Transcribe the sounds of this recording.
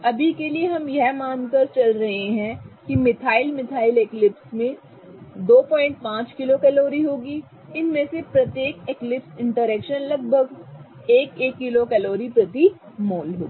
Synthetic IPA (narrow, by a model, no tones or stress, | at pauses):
ɐbʱikelieɦɐmjɛɦmaːnkəɾt͡ʃɐlɾɐɦẽɦɛ̃kimɪt̪ʰaːɪlmɪt̪ʰaːɪleːklɪpsmẽ | d̪oːpɔ̃ːɪ̃ɳʈ̚pãːt͡ʃkɪlokɛloːɾiɦoːɡi | ɪnmẽsepɾɐt̪jeːkeklɪpsɪ̃ɳʈəɾɛːkʃənlɐɡ̚bʱəɡ | eːkeːkːɪlokɛloːɾipɾɐt̪i | moːlɦo̰ːɡi